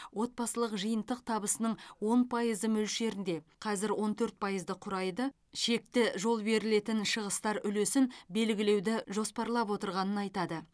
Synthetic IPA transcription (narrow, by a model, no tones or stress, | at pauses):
wo̞t̪̚bɑsəlˠəqʒəjənt̪əq̚t̪ʰɑbəsənəɴwo̞npʰɑjəzəmɵlʃe̞ɾɪnd̪e̞qʰɑzɪɾwo̞nt̪ʰɵɾt̪̚pʰɑjəzd̪əqʰʊɾɑjd̪ə | ʃe̞k̚t̪ɪʒo̞lˠbe̞ɾɪle̞t̪ɪnʃəʁəst̪ɑɾʏlesɪnbe̞lɡʲɪle̞wd̪ɪʒo̞spɑɾlˠɑpwo̞t̪əɾʁɑnənɑjt̪ɑd̪ə